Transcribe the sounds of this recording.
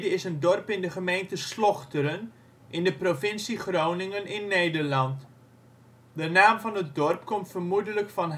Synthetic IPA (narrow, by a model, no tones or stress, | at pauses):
dəɪsəndɔrpɪndəχəmejntəslɔχtəɾən | ʔɪndəprovɪnsiχrownɪŋənɪnːejdərlɑnt | dənaːmvɑnɦət̚dɔrpkɔmtfərmudələkfɑnɦ